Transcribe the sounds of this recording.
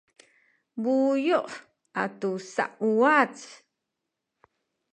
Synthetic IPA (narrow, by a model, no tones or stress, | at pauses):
bujoʔ | ʔatusa̰ʔuwat͡s